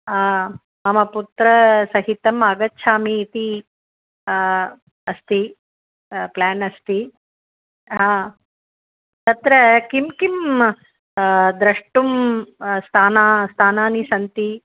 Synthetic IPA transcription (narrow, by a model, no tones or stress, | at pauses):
a | mɐmɐput̪ɾɐsɐɦit̪ɐmɐɡɐtːʃʰaːmiːt̪i | ɐst̪i | plaːnɐst̪i | ɦaː | t̪ɐt̪ɾɐkimkim | d̪ɾɐʂʈumst̪ʰaːnaːst̪ʰaːnaːnisɐnt̪i